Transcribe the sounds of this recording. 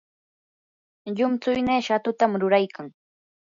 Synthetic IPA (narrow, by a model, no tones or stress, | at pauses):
ʎʊmt͡sʊjneːʃat̪ʊt̪amɾʊɾajkʰaŋ